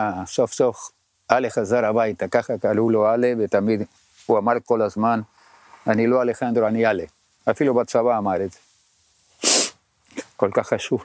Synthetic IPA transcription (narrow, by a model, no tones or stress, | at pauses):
sofsof | ʔalexazaɾabajt̪akaχakaluloalevet̪amid̪ | uamaɾkolazman | aniloalexand̪ɾoaniale | afilubat͡savaːmaɾeze | kolkaχːaʃuv